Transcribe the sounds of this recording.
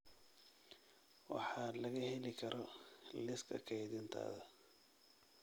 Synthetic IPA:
wɑ̰ħɑlɐɣɐhɛlɪkʰɐɾʔɔlɪskʰɐ̰kʰɛjðɪnt̪ʰa̰ːðɐ

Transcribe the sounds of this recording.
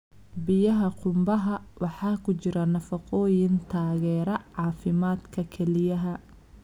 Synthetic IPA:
bɪjɐɦɐqʰʊmbɐɦɐwɑħɑːkʰʊt͡ʃɪɾɐnɐfɑqʰɔːjɪnt̪ʰaːɣɛːɾɐʕɑːfɪmaːd̪kʰɐkʰɛlɪjɐɦɐ

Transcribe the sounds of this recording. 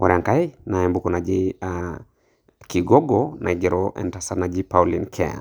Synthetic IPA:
ɔɾɛaŋkainaɛmbukɔnad͡ʒia | kiɡɔɡɔnʔa̰iɡɛɾɔʔɛ̰ntasanad͡ʒipaulinkʰɛa̰

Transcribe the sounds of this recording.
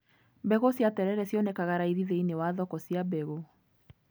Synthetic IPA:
bɛɣosjatɛɾɛɾɛsjɔnɛkaɣaɾaiðiðeinewaðɔkɔsiabɛɣo

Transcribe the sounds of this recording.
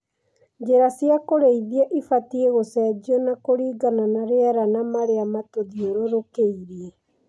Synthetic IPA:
d͡ʒeɾasjakoɾeiðiɛʔifatieɣosɛd͡ʒiɔnakoɾiːɡananaɾeaɾanamaɾeamatoðioɾoɾokeiɾiɛ

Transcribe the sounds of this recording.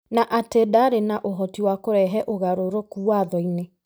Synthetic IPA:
naʔatedaɾenaʔoɦɔtiwakoɾɛɦɛʔoɣaɾoɾokuwaðɔine

